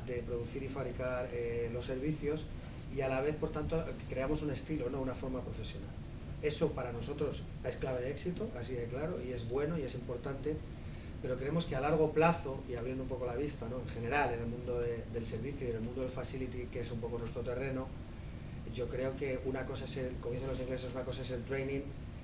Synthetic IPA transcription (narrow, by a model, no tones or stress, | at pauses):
d̪e̞pɾo̞ðuθiɾifaβɾikaɾelo̞sːe̞ɾβiθjo̞s | ialaβ̞e̞θpo̞ɾt̪ant̪okɾe̞amo̞sune̞st̪ilono̞unafo̞ɾmapɾo̞fe̞sjo̞na̰l | e̞so̞paɾano̞so̞t̪ɾo̞s | e̞sklaβe̞ðeksit̪oʔasiðeklaɾo̞̰ie̞zβwe̞no̞ie̞simpo̞ɾt̪ant̪e̞ | pe̞ɾo̞kɾe̞emo̞skealaɾɣ̞o̞plaθo̞iaβɾjend̪umpo̞ko̞laβist̪ano̞e̞ŋxe̞ne̞ɾalenelmũnd̪oðeðe̞lse̞ɾβ̞iθjoiðelmund̪oelfasilit̪ike̞sumpo̞ko̞nwet̪ɾot̪ere̞no̞ | ɟ͡ʝokɾe̞o̞ke̞unako̞sae̞se̞lkomjenθelo̞siŋɡle̞s̬e̞sunako̞s̬ae̞s̬e̞lt̪ɾejnĩŋ